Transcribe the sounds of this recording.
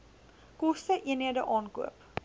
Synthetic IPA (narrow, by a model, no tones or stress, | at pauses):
kɔstəʔiənɦiədəʔɑːnkṵəp